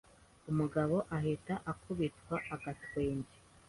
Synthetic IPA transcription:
umuɡaβo̞ʔaɦetaʔakuβitwaʔaɡatwe̞ːɲɟe

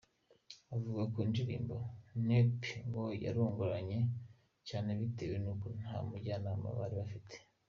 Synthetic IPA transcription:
avuɡakiːnd͡ʒiɾḭːmbonepŋɡoja̰ɾuːŋɡuɾaɲe̞ | caːne̞βite̞wenukonha̰muɟaːnaːma̰βa̰ːɾiβafitʰe̥

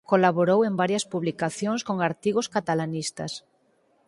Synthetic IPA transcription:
kolaβoɾowembaɾjɐspuβlikaθjoŋskoŋaɾt̪iɣ̞oskat̪alanist̪a̰s

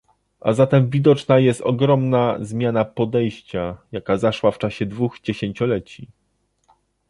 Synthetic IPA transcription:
ʔa̰zat̪ɛmvʲid̪ɔt͡ʂnajɛst̪ɔɡɾɔmnazmʲjanapɔd̪ɛjɕt͡ɕajakazaʂwaft͡ʂaɕɛd̪vuɣd͡ʑeɕeɲt͡ɕɔlɛt͡ɕi

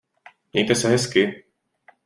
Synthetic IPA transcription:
ɲɛ̰jt̪ɛsɛɦɛskɪ

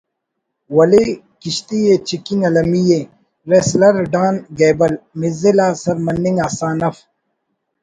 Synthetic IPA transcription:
wɐle | kiɕt̪ijet͡ʃikinɐlɐmije | ɾeslɐɾɖaːnɡeːbɐlmizilaːsɐɾmɐnːiŋɡaːsaːnɐf

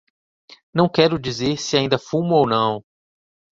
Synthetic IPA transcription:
nɐ̃w̃kɛɾʊd͡ʒizeɾsɪaĩnd̪ɐfũmʊownɐ̃w̃

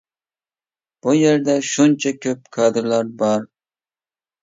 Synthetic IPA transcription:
b̥ujeɾd̪ɛʃunt͡ʃʰakʲʰøp̚kʰɑːd̪ɪɾlˠɑɾbɑɾ

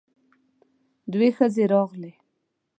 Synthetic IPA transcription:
d̪wexəzeɾɑɣle

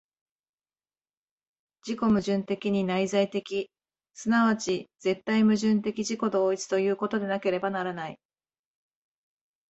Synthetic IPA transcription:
d͡ʑiko̞mɯ̟ʑɨ̃nt̪e̞kʲiɲ̟inaizait̪e̞kʲi | sɨnaβ̞at͡ɕiz̥e̞t̪ːaimɯ̟ʑɨ̃nt̪e̞kʲiʑiko̞d̪o̞ːit͡sɨ̥t̪o̞jɯ̟ːko̞t̪o̞d̪e̞nake̞ɾe̞banaɾanai

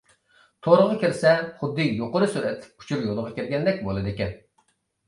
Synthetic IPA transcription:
t̪ʰoɾəʁɑkʲiɾsɛχʊd̪ːɨjoqəɾɨsuɾɛt̪ʰpu̥t͡ʃʰuɾjolˠəʁɑkʲeɾɡʲɛnd̪ɛk̚ʲbolˠɨd̪ɪkʲɛn

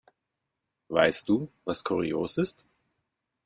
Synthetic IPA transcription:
va̰ɪst̚d̥uːvaskʰuʁioːsɪst

